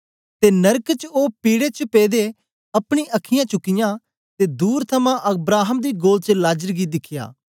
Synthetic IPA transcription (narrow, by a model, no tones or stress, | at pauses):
t̪enɐɾkt͡ʃoːpiːɽet͡ʃəpeːd̪e | ɐpɽ̃iʔɐkʰɪjãːt͡ʃʊkːɪjã | t̪ed̪uːɾt̪ʰɐmãʔɐbɾaːɦəmd̪iːɡoːlt͡ʃəlaːd͡ʒəɾɡid̪ɪkʰɪja̰ː